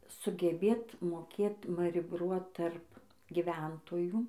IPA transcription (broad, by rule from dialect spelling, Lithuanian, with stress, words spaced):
sʊɡʲɛˈbʲeːt moːˈkʲeːt mɐrʲˈɪbruɔt tɐrp ɡʲɪˈʋʲɛntoːjuː